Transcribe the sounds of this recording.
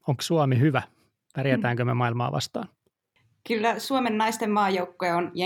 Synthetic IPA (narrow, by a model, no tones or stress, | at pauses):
oŋksuɑmihyʋæ | pærjæt̪æːŋkømemɑilmɑ̰ːʋɑ̰st̪ɑ̰ːn | kylːæsuomenːɑist̪emːɑːjowkːoeonjɑ